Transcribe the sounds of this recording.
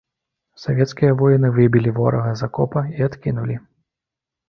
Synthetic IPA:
sɔvʲɛt̪skʲijɐvɔjinɨvɨbʲilʲivɔɾɐɣɐzakɔpɐiat̪kʲinulʲi

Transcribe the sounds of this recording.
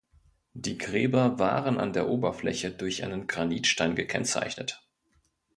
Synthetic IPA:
d̥iːɡʁɛːbɐva̰ːʁəna̰ndeːɐʔoːbɐflɛ̰çədʊɐçʔaɪnənɡʁaniːtʃtaɪnɡəkʰɛ̰nt͡sa̰ɪçnət

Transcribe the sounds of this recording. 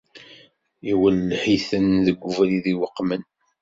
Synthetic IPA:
iwəlːħiθənðəɡʷːuvæliðiwəqːmən

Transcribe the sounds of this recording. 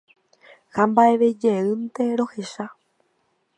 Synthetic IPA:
hambaeʋe̞d͡ʒeɨnt̪e̞ɾo̞heʃa

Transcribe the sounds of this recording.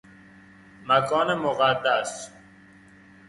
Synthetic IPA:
mækʰɒːnemoɣæd̪ːæs

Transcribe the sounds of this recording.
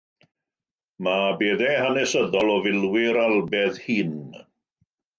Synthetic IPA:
mabeːðɛhanɛsəðɔlˠɔvɪlˠwɪɾalˠbɛðhiːn

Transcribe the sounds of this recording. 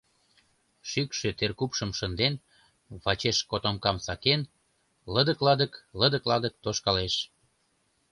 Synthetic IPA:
ʃykʃøt̪erkupʃəmʃənd̪en | βɑt͡ɕeʃkot̪omkɑmsɑken | ləd̪əklɑd̪əkləd̪ə̆klɑd̪ək̚t̪oʃkɑleʃ

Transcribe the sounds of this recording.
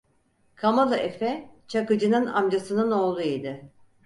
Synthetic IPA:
kʰamalˠɯʔefɛt͡ʃʰakɯd͡ʒɯnɯna̰md͡ʒasɯnɯno̞ːlˠuid̪ɯ

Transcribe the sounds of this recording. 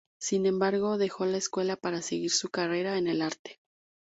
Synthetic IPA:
sinẽ̞mbaɾɣ̞o̞ðe̞xo̞laeskwe̞lapaɾaseɣiɾsukare̞ɾae̞ne̞laɾt̪e̥

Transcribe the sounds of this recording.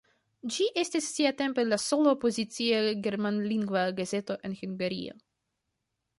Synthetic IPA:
d͡ʒiʔe̞stisːiate̞mpelaso̞lopozit͡siaɡe̞ɾmanliŋɡvaɡaze̞to̞ʔe̞nhuŋɡaɾḭo̰

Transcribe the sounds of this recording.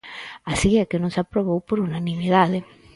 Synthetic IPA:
asikɛkːenõŋsapːɾoβowpoɾunanimiðaðe

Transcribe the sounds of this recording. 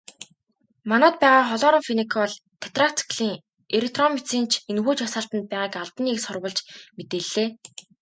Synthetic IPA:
manɔːt̪̚pæːʁaːχɔɮɔːɾə̆ŋfinekʰɔɮ | t̪ʰe̥t̪rat͡sʰə̥kɮiːŋ | eɾek̚ʰt̪rɔmit͡siːnt͡ɕʰenxuːt͡ɕɔsaːɬt̪ə̆nt̪̚pæːʁaːkaɮt̪ə̆niːksʊrwə̆ɮt͡ɕmet̪eːɮːeː

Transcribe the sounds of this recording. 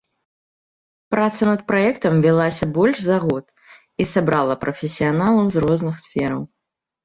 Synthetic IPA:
pɾat̪sɐnɐt̪̚pɾaɛkt̪ɐmvʲilˠasʲɐbɔlʲʂzaɣɔt̪ | isabɾalˠɐpɾʔɐfʲɪsʲijanalˠɐwzrɔznɨxsfʲɛɾɐw

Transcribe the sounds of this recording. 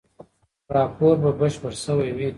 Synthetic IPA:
ɾɑpoɾbabəʃpəɾsəwajwi

